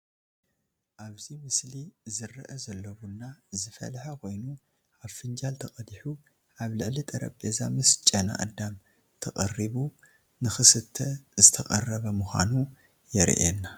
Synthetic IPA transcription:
ʔaβzimɨslizɨrɐʔɐzɐlːɐwunːazɨfɐ̰lħakʰo̞jnu | ʔaβfɨnd͡ʒalt̪ʰɐkʼɐd̪iħu | ʔaβlɨʕlit̪ʼɐɾɐ̰bʼezamɨst͡ʃʼɐna̰ʔɐ̰d̪am | t̪ʰɐkʼɐriβu | nɨxɨsɨt̪ʰːɐzɨt̪ʰɐkʼɐrːɐβɐmuxʷa̰nu | jɛɾ̰ʔenːa

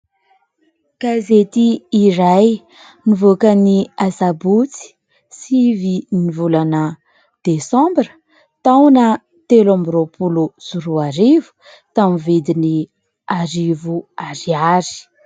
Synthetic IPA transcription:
ɡ̥azet̪iːraj | nivokəniazabut͡si̥ | sivinivulanə | d̪̥esɑ̃mbɾə̥ | t̪awnə | t̪elãmbɾopʰuluz̥uɾuaɾivu̥ | t̪amivid̪ini | aɾivuaɾiaɾi̥

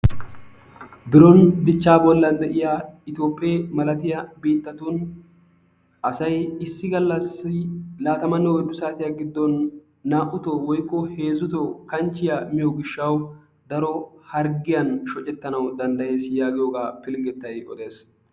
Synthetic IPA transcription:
bɪɾɔnd̪ɪt͡ʃːaːbɔlːɐnd̪ɛʔɪjaːɪt̪jo̞ːpʼːɪemɐlɐt̪ɪjɐbiːt̪ːɐt̪un | ʔɐsɐjɪsːɪɡɐlːɐsːɪlaːt̪ɐmɐnːɔwɔd̪ʊsaːt̪ɪjaɡɪd̪ːɔnː | aːʔʊt̪ɔwɔjkːɔhe̞ːzʊt̪ɔkɐnt͡ʃːɪjɐmɪjɔɡɪʃːɐw | d̪ɐɾɔhɐɾɡɪjɐnʃɔt͡ʃʼːɛt̪ːɐnɐwd̪ɐnd̪ɐje̞ːsjaːɡɪjoːɡaːpɪlɪŋɡɛt̪ːɐjɔ̰d̪e̞ːs

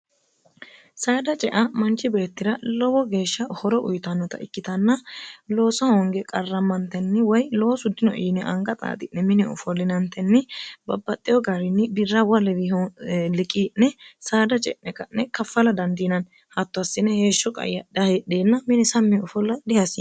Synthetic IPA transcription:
saːd̪ɐt͡ʃʼɛʔɐmɐnt͡ʃːɪbe̞ːt̪ːɪɾɐlɔwɔɡe̞ːʃːɐhɔɾɔʔʊ̰jt̪ɐnːɔt̪ɐ̰ɪkːɪt̪ɐnːɐlo̞ːsɐhoŋɡɛkʼɐrːɐmːɐnt̪ːɛnːɪwɔjlo̞ːsʊd̪ɪnɔʔɪːnɛʔɐŋɡɐt̪ʼa̰ːt̪ʼɪnːɛmɪnɪɔ̰fɔlːɪnɐnt̪ːɛnːɪbɐbːɐt̪ʼːɪjɔɡɐɾɪnːɪbɪrːɐwɐlɛwɪlɪkʼinːɛsaːd̪ɐt͡ʃʼɛ̰ʔnɛkɐnːɛkɐfːɐlɐd̪ɐnd̪iːnɐn | hɐt̪ːʊɐsɪnːɛhe̞ːʃːɔkʼɐ̰jːɐd̪ɐheɗeːnːɐmɪnɪsɐmːɪɔfɔlːɐd̪ɪhɐsḭ

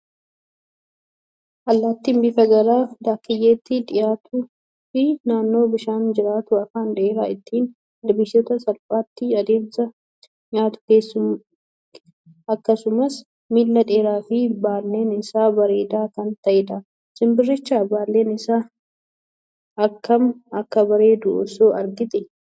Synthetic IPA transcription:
ʔɐlːaːt̪ːinbɪfɐɡɐɾaːd̪aːkːɪjeːt̪ːɪᶑ̪ɪjaːt̪u | fɪnaːnːo̞ːbɪʃaːnd͡ʒɪɾaːt̪ʊɐfaːnᶑeːɾaːɪt̪ːiːn | dbɪʃot̪ɐsɐlpʼaːt̪ːɪɐd̪e̞ːmsɐ | ɲaːt̪ʊ̥ke̞ːsːʊm | ɐkːɐsʊmɐs | miːlːɐᶑe̞ːɾaːfɪbaːlːe̞ːnɪsaːbɐɾeːd̪aːkɐnt̪ɐʔɪd̪a | sɪmbɪrːɪt͡ʃːaːbaːlːeːnɪsaː | ɐkːɐmɐkːɐbɐɾe̞ːd̪ʊʔɔ̰soːɐɾɡɪt̪ɪ

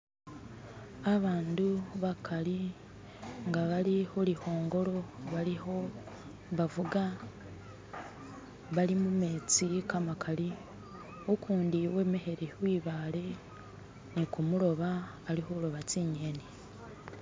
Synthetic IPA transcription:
aβaːnduβakʰaɾi | ŋɡaβaɾihoɾiho̞ːŋɡo̞ɾo̞βaɾiho̞ | βavuɡa | βalimume̞ːt͡sikamakʰaɾi | okʰuːndiwe̞ːme̞he̞ɾewiːβale̞ | nikumuɾo̞βaː | ɾihoɾoβat͡siːɲene

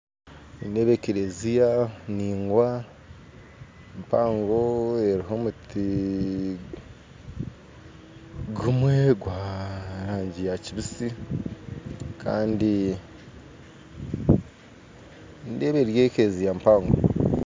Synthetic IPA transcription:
indeβekeɾezijaniːŋɡwa | mpaːŋɡo̞e̞ɾiɦo̞muti | ɡumweɡwaːɾaːɲɟijaciβisi | kʰa̰ːndi | ndeβeɾjekeɾezijampaːŋɡo̰

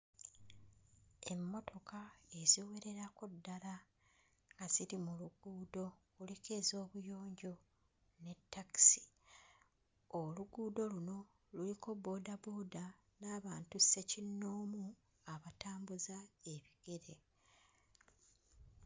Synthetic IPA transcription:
e̞mːo̞to̞kae̞ziwe̞ɾe̞ɾakodːala | ŋɡaz̥iɾimuluɡuːdo̞kule̞ke̞zo̞ːβujo̞ːɲɟo̞ | ne̞tːaki̥si̥ | oluɡuːdo̞luno̞ | luliko̞bo̞ːdabo̞ːda | naːβaːntuse̞cinːo̞ːmu | aβataːmbuzae̞βiɡ̥e̞ɾe̞

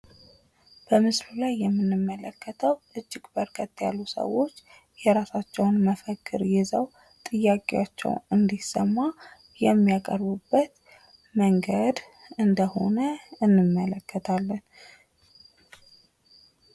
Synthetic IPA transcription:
b̥əmɨslulajːɛmːɨnːɨmːələkːət̪ʰəwt̪ɨd͡ʒːɪkʼbəɾkʰət̪ʼːja̰lːusə̰wo̞t͡ʃː | jɛɾasat͡ʃːɛwnməfəkʰʼːɨɾjɛzəw | t̪ʼɨjːakʼewat͡ʃːɛ̰wnɨnd̪isəmːa | jɛmːiakʼəɾβɨbːət̪ | məŋɡəd̪ | ɨnd̪əho̞̰nəɨnːɨmːələkʰːət̪ʰalːən

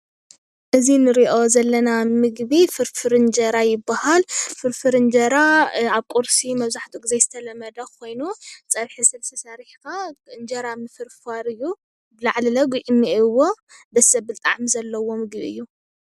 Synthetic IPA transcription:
ʔɨzinɨɾiʔo̞zɐlːɐnamɨɡbifɨɾfɨɾɨnd͡ʒɐɾajɪbːahalfɨɾfɨɾɨnd͡ʒɐɾaaβkʼuɾsimɐβzaħt̪ʰuɡizezɨt̪ʰɐlɐmːɐd̪ɐkʰo̞jnut͡sʼɐβħisɐβst̪ʰɐsɐɾħkaɨnd͡ʒɐɾamɨfɨɾfaɾɨjːu | bɨlaʕlilɐɡuʔimːiwːo̞ | dɐsɐβbɨlt̪ʼa̰ʕmizɐlːɐwo̞mɨɡbiɨjːu

